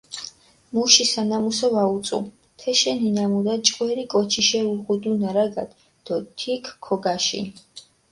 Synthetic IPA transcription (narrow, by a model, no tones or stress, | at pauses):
muʃisanamusɔvaut̪sʼṵ | t̪ʰɛʃɛninamud̪at͡ʃʼqʼwɛɾikʼɔt͡ʃʰiʃɛuʁud̪unaɾaɡa̰d̪ | d̪̥ɔt̪ʰikʰːɔɡaʃḭn